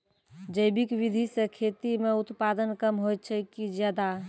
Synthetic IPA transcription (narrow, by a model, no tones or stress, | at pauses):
d͡ʒəjbikʋid̪ʱisẽkʰet̪imeut̪pad̪ənkəmɦojt̪̚t͡ʃʰɛkid͡ʒjad̪a